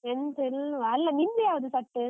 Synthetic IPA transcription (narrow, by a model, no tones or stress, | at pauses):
ɛnsɛlɐlːɐmɪndɾɪjaːʋɐðɯsɐʈːɯ